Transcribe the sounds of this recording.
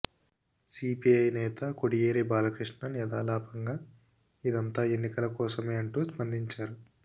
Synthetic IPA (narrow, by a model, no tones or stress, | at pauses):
siːpiɐjnɛːt̪ɐkoɽijeːɾebaːlɐkɾiʂɳɐnijɐd̪aːlaːpɐŋɡaː | id̪ɐnt̪aːe̞nːikɐlɐkɔːsɐmeːɐɳʈuːspɐnd̪ʱiɲt͡ʃaːɾu